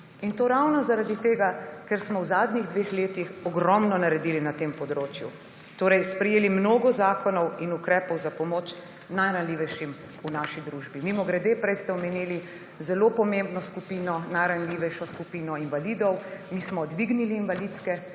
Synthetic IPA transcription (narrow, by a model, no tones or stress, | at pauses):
int̪oːɾawnɔzaɾad̪it̪eːɡakɛɾsmɔwzaːd̪nɲiɣd̪ʋeːxleːt̪ixɔɡɾɔmnɔnaɾɛd̪iːlinat̪empɔd̪ɾoːt͡ʃjṵ | t̪oːɾɛjspɾɛjeːlimnoːɡɔzaːkɔnɔwinukɾɛːpɔwzapɔmoːt͡ʃ | najɾanliːʋɛjʃim | unaːʃid̪ɾuʒbimimɔɡɾɛd̪eːpɾɛjst̪ɛɔmenili | zɛlopɔmembnɔskupiːnɔnajɾanliːʋɛjʃɔskupiːnɔinʋaliːd̪ɔwmismɔd̪ʋiɡniliːnʋalit̪skɛ